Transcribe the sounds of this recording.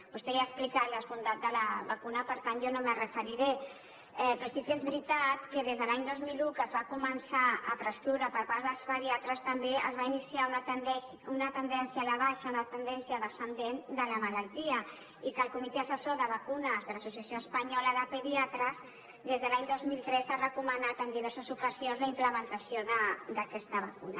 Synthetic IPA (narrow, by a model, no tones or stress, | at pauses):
pust̪eaəksplikat̪ləzβund̪at̪̚d̪ələβakunəpəɾt̪anʒɔnomərəfəɾiɾe | ɛpɾosikiezβɾit̪at̪kəðezðəlaɲd̪ozmilukəzβakumənsaə̰pɾəst̪uɾapəɾpaɾðəlˠzpəðiat̪ɾəst̪əmbeə̰zβainisiaunət̪nɛ | unət̪ənd̪ɛnsjaːlaβ̞aʃaunat̪ənd̪ɛnsijəðəsənd̪end̪ələməlalt̪iə | ikəlˠkumit̪eəsəsoðəβəkunəzðələsus̬jəsjoəspəɲɔləðəpəðiat̪ɾəs | ðezðəlaɲd̪ozmilˠt̪ɾɛsarəkumənat̪ənd̪iβ̞ɛɾsəzukəzionzləimpləmənt̪əsijoðəd̪əkɛst̪əβakuna